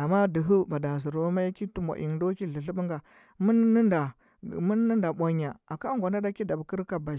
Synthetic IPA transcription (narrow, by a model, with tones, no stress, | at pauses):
ʔa˨ma˦du˨ɦu˦ba˨da˨z̬u˨ɾo˦ma˦ki˦tu˦ma̰˨ʔḭ˨ndo˦ki˦ɮi˨ɬu˦bu˦ŋɡa˨ | mu˦nː˦nda˨ | mu˦nː˦ə˦nda˨ɓʷa˦ɲa˨a˨ka˦ŋɡʷa˨na˦da˦ki˦da˨bki˦ɾka˨ba˨